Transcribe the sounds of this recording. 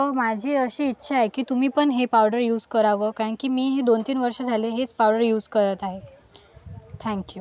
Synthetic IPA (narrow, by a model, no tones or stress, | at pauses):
əmad͡ʑʱiːəɕiːtːɕʰaaɦekiːt̪um̤iːpəɳɦepawɖəɾjuːd͡zkəɾaʋəːkaə̃ɳkiːmiːɦed̪ont̪iːnʋəɾʂəd͡zʱaleɦet͡spawɖəɾjuːd͡zkəɾət̪aɦe | t̪ʰɛ̃ŋkju